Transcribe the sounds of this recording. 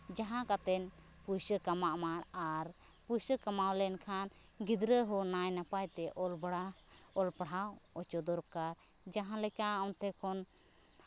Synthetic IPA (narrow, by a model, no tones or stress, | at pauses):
d͡ʒaɦãkat̪ɛn | pujsəkamaʔmaɾaɾ | pusəkamawlɛnkʰan | ɡid̪ɾəɦɔnajnapajt̪ɛʔɔlba | ɔlpɽ̤aw | ɔt͡ʃɔd̪ɔɾkaɾ | d͡ʒaɦãlɛkaɔnt̪ɛkʰɔn